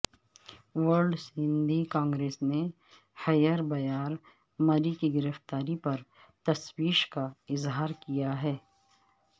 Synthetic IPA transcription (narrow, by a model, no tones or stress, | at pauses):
ʋəɾɖsɪ̃nd̪ʱikãːŋɡɾeːsne | hɐjəɾbɐjaːɾ | mɐɾikiɡɪɾəft̪aːɾipɐɾ | t̪ɐswiːʃkaɪzɦaːɾkijaɦɛː